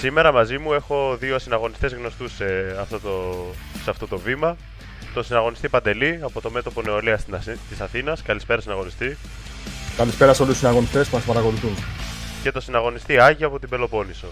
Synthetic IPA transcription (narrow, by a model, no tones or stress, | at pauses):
sime̞ɾɐmɐzimue̞xo̞ðioɐsinɐɣo̞nist̪e̞zɣno̞st̪useɐft̪ot̪oseɐft̪o̞t̪o̞vimɐ | t̪o̞sinɐɣo̞nist̪ipɐnd̪e̞liɐpo̞t̪o̞me̞t̪o̞po̞neoliɐst̪isɐθinɐskɐlispe̞ɾɐsinɐɣo̞nist̪i | kɐlispe̞ɾɐsolisinɐɣo̞nist̪espumɐspɐɾɐko̞luθunce̞t̪o̞sinɐɣo̞nist̪iɐʝiɐpo̞t̪ibe̞lo̞po̞niso